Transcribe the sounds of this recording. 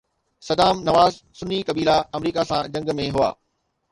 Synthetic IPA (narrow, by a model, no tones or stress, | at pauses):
sɐd̪aːmnɐʋaːz | sʊnikɐbiːlaɐmɾiːkasãd͡ʑɐ̃ŋɡmẽɦʊa̰ː